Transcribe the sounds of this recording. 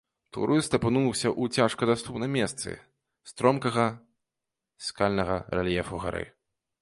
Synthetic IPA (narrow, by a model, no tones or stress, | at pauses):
t̪ṵɾɨst̪ɐpɨnusʲɐʔut͡sʲaʂkɐd̪ast̪upnɐmʲɛst̪sɨ̰ | st̪ɾɔmkɐɣɐ | sʲkalʲnɐɣɐɾɛlʲjɛfuɣa̰ɾɨ̰